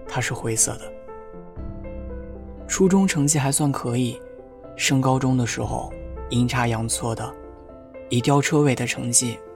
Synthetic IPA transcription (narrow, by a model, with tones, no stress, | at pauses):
t̪ʰa˥ʂɻ̩˥˩xwe˧˥ɪsɤ̰˥˩d̪ə˩ | ʈ͡ʂʰu˥ʈ͡ʂʊ˥ŋʈ͡ʂʰɤ˧˥ŋt͡ɕi˥˩xa˧˥ɪswa˥˩nkʰɤ˧˥i˨˩ | ʂɤ˥ŋkɑ˥ʊʈ͡ʂʊ˥ŋd̪ə˨ʂɻ̩˧˥xo̰˧ʊi˧˥ŋʈ͡ʂʰa˥jɑ˧˥ŋt͡sʰwɔ˥˩d̪ə˩ | i˧˥t̪jɑ˥ʊʈ͡ʂʰɤ˥we˥˩ɪd̪ə˦ʈ͡ʂʰɤ˧˥ŋt͡ɕi˥˩